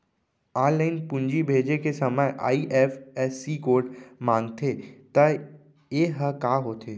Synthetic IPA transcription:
aːnləɪnpʊ̃ɲd͡ʒibʱeːd͡ʒekesɐməjʔa̰ːiʔɛːfɛːsːikoːɾʈmãːŋɡt̪ʰet̪ɐ | jeːɦəkaːɦoːt̪ʰeː

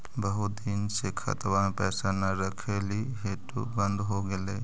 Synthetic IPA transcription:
bəɦut̪̚d̪insekʰɐ̰t̪wanpɛːsanəɾəkʰeliɦeʈṵbə̃nd̪ʱɦoɡele

